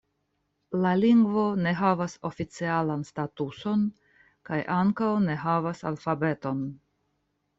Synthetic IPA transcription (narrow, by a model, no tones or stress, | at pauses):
laliŋɡvo̞ne̞ɦavaso̞fit͡sialanstatuso̞n | kajʔaŋkawne̞ɦavasa̰lfabe̞to̞n